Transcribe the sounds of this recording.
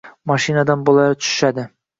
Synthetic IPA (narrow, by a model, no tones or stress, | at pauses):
mɒʃinad̪anbolˠɑjt̪ʰʊ̥ʃɪ̥ʃad̪ɪ